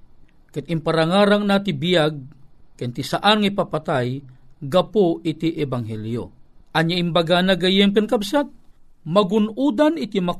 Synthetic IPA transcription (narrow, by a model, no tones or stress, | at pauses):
kat̪ɪmpaɾaŋaːɾaŋnat̪ɪbɪjaɡ̚kant̪ɪsaʔanŋaipapat̪ajɡapoʔɪt̪iʔɛbaŋɦɛljo̰ʔɐɲjaʔɪmbaɡanaɡajɛmk̬ɛnkabsat̪̚ | mɐɡʊnud̪anɪt̪imɐ